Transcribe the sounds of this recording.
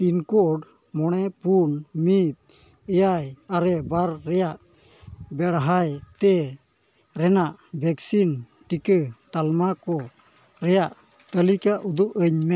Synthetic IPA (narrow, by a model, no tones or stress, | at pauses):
pinkɔɖ | mɔɽ̃ɛpunmit̪̚ | əjajaɾɛbaɾːɛjaʔ | bɛɽɦajt̪ɛ | ɾɛnaʔbɛksin | ʈikət̪almakɔ | ɾɛjaʔ | t̪əlikaʔud̪uʔəɲmɛ